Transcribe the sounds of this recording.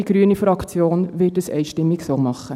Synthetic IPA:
iɡ̥ɾyənifɾɑkt͡sjoːnʋɪt̚dəsɛ̰ɪʃtɪmːɪksomɑχːə

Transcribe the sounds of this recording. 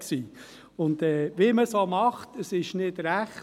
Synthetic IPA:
ksiː | ʊnd̪ɛːʋeməsomɑχtəsɪʃnɪdɾæχ

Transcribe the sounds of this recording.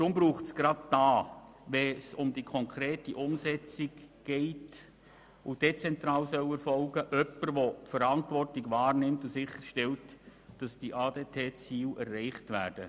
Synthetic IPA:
t̪ɾʊmbɾuːχtsɡ̥ɾɑd̚d̥ɑː | ʋɛsʊmdikʰɔŋkʰɾeːtiʔʊmsɛt͡siɡɡ̥ɛɪt | ʊd̥et͡sɛntɾɑːlsœwɛrfɔlɡəʔœpəɾʋɔtfəɾɑntʋɔrtɪɡʋɑːrnɪmtusɪχəɾʃtɛltd̥ɑsd̥iʔɑːd̥eːtʰeːt͡siːlɛrːɛɪχtʋæːrd̥ə

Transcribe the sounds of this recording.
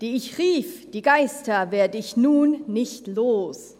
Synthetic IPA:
d̥iːɪçʁiːfd̥iːɡaɪstɐveːɐdəɪçnuːnːɪçtloːs

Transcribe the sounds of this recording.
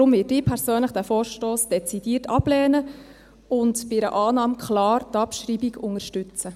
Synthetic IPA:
ɾʊmvɪːdɪːpʰɛɾsøːnləχd̥æfɔːrʃtoːsd̥ɛt͡sid̥iːərtɑb̥lɛːnə | ʊntbɪɾə̰ʔɑːnɑːmkχlɑːrtɑpʃɾiːbiɡʊŋəʃtʉt͡sə

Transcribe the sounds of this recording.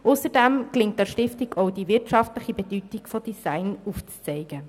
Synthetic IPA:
ʔʊsəɾdɛmklɪŋt̚dɛɾʃtɪftɪɡɔʊdivɪɾtʃɑftləχibɛdytɪkfɔd̥isæɪnuft͡st͡sɛɪɡ̥ə

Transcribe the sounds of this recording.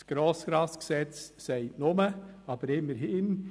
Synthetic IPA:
sɡ̥ɾɔːsɡ̥ɾɑsksɛt͡ssɛɪtnʊməɑb̥əɾɪmːəɾɦɪːn

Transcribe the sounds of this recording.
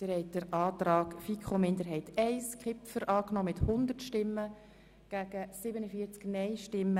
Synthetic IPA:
əɾhɛɪt̚d̥əɾɑːt̪ɾɑːkfikχomɪnd̪əɾɦɛɪtʰɛɪskʰɪpfəɾʔɑːknɔːmɪthʊnd̪ərtʃtɪmːə | ɡ̥æɡ̥əsɪbənəfiəɾt͡sknɛɪʃtɪmːə

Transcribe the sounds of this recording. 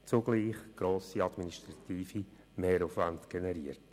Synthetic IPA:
t͡suɡ̥liːχɡ̥ɾoːsiɑdminiʃtɾɑt̪iːfi | meːɾufvantɡ̥enɛɾiːəɾt

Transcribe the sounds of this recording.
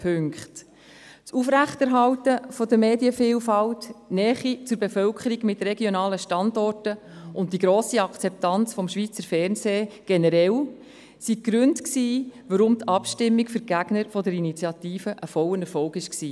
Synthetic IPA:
pʰʉŋkχt | t͡sufɾæχtɛɾɦɑltəfɔd̪əmeːdiəfiːlfɑltnɛːχit͡sʊɾbefœlkʰχəɾiɡmɪtɾeɡjonɑːləʃtɑndɔrtə | ʊnt̚d̥iɡɾoːsiɑkʰt͡sɛp̚tɑnt͡sfɔmʃʋiːt͡səɾfɛrnseːɡ̥enəɾɛl | siɡ̥ɾʉntksiːʋəɾʊmtɑpʃtɪmːiɡfʏɾɡ̥æɡnəɾfɔdəɾinit͡sjɑt̪iːfəʔəfɔwənɛɾfɔwɡɪʃksiː

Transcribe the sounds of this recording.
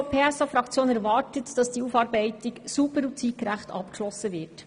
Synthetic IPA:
pʰeːɛsɑfɾɑkt͡sjoːnɛɾʋɑːɾtətd̥ɑsd̥iːuːfɑːɾbɛɪtɪksubəɾut͡siːkɾæχtɑ̰pkʃlɔsːəʋɪːɾt

